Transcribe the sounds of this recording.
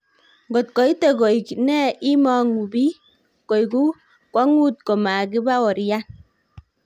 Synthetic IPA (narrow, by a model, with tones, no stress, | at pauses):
ɡo˨t̚kɔ˨i˦te˦˨ko˨jknɛ˦i˦mɔ˦ŋu˨bi˦ | ko˨jɡu˦ | kwɔ˦ŋu˦t̚ko˨ma˨ki˦ba˦wɔ˨ɾja˦n